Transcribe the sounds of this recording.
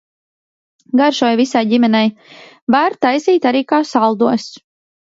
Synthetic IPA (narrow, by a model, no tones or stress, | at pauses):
ɡaɾʃɔjvisajɟimɛnɛj | baɾt̪ajziːt̪aɾiːkaːsalˠd̪uɔs